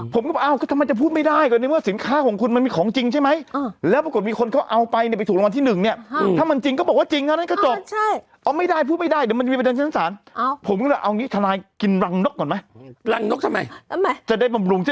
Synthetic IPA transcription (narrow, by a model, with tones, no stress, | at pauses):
pʰo˩˦mkɔ˥˩bɔ˨˩ʔa˧˩wkɔː˥˩t̪ʰma˧jt͡ɕa˨˩pʰuː˥˩ma˥˩daː˥˩jkɔ˨˩na˧jmɯ˥˩ɐsi˩˦nkʰaː˦˥˩kʰɔː˩˦ŋkʰu˧nma˧nmiː˧kʰɔː˩˦ŋt͡ɕi˧ŋt͡ɕʰa˥˩jma˦˥jlɛː˦˥pɾkt̪̚miː˧kʰo˧nkʰa˦˥wʔa˧wpa˧jni˥˩pa˧t̪ʰu˨˩klwa˧t̪ʰiː˥˩nɯ˨˩ŋni˥˩ɐ˧˩aː˥˩ma˧nt͡ɕi˧ŋkɔː˥˩bɔ˨˩k̚waː˥˩t͡ɕi˧ŋt̪ʰa˥˩˨na˥˩kɔː˥˩t͡ɕo˨˩p̚t͡ɕʰa˥˩ | ʔɔː˧˩ma˥˩jdaː˥˩jpʰuː˥˩t̪̚ma˥˩jdaː˥˩jd̪m˧nt͡ɕiː˧pe˧nʰː˥˩aː˧˥saː˩˦npʰo˩˦mkɔ˥˩a˨˩ʔa˧wniː˦˥˩t̪ʰa˧laː˧jki˧nɾa˧ŋno˦˥k̚ːɔː˨˩ma˦˥jɾa˧ŋno˦˥k̚t̪ʰma˧jʰm˦t͡ɕa˨˩da˥˩jba˧mɾu˧ŋt͡ɕʰa˥˩